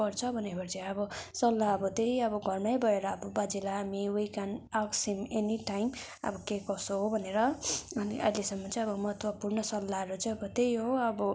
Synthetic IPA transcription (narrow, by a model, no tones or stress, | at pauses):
ʌrt͡sʰʌbʱʌnepʌrt͡sʌ̃jʌbʌsʌlːaʌbʌt̪ejʌbʌɡʱʌrnajbʱʌeɾʌːbʌbad͡zilaːmiwijkanaksimeniʈajm | ʌ̰bʌkekʌsoɦobʱʌneɾʌʌniʔʌ̰jlesʌmːʌt͡sʌĩʌbʌmʌɦʌt̪ʰwapurnʌsʌlːaɦʌɾut͡sʌĩʌbʌt̪ejɦoʌbʌ